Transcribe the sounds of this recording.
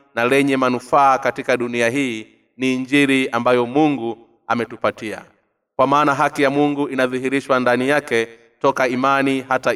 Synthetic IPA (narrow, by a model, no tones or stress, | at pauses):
nalɛɲɛmanufaːkatikaɗuniaɦiː | niːɲd͡ʒiɾiambajɔmuŋɡu | amɛtupatia̰ | kwamaːnaɦakijamuŋɡuʔinaðiɦiɾiʃwandanijakɛ | tɔkaimanihata